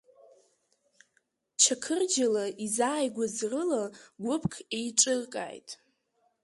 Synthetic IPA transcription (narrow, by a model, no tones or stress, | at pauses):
t͡ʃʰakʰɨrd͡ʒalaizaːjɡʷazrɨlaɡʷʊpʰʼkʰejʈ͡ʂʼɨrkʼa̰ːjtʼ